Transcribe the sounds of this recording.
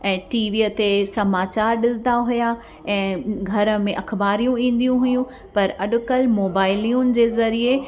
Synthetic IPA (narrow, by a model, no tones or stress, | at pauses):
ɛ̃ːʈiːʋiːət̪esɐmaːt͡ɕaːɾɗɪsɪd̪aɦʊja | ɛ̃ːɡʱɐɾə̆mẽʔɐxʰbaːɾijũĩːn̆d̪ijũɦʊjũ | pɐɾɐɗʊkəlmoːbaːɪliːʊnɪ̆d͡ʑeːzɐɾie